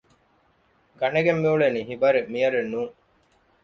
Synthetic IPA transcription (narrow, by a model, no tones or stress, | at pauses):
ɡɐneɡemːiuɭeniːɦibɐɾemijɐɾenːuːŋ